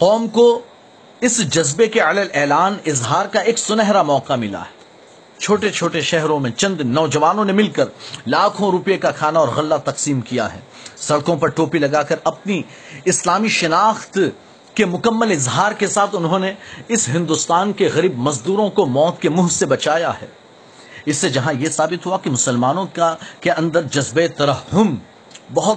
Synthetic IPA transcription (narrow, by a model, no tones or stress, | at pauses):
qɔːmko | ɪsd͡ʒɐzbekeɐləlɛːlaːnɪzɦaːɾkaeːksʊnɛɦɾamɔːqamɪla̰ɦɛ̥ː | t͡ʃʰoːʈet͡ʃʰoːʈeʃɛɦɾõmẽt͡ʃɐ̃nd̪nɔːd͡ʒɐʋaːnõnemɪlkɐɾlaːkʰõɾʊpjekakʰaːnaɔːɾɣɐlːat̪ɐqsiːmkija̰ɦɛ̰ː | sɐɽkõpɐɾʈoːpilɐɡaːkɐɾɐpni | ɪslaːmiʃɐnaːxt̪ | kemʊkɐmːəlɪzɦaːɾkesaːt̪ʰʊnɦõneɪsɦɪ̃nd̪ʊst̪aːnkeɣɐɾiːbmɐzd̪uːɾõkomɔːt̪kemʊɦsebɐt͡ʃaːja̰ɦɛ̰ː | ɪsːed͡ʒɐɦãjesaːbɪt̪ɦuakimʊsəlmaːnõkkeɐ̃nd̪əɾd͡ʒɐzbet̪ɐɾɐɦhʊm | bɐɦʊt̪